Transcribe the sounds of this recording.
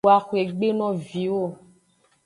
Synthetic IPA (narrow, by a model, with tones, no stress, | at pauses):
a˨xu˨e˨ɡ͡be˦nɔ̃˦vi˨wo˦˨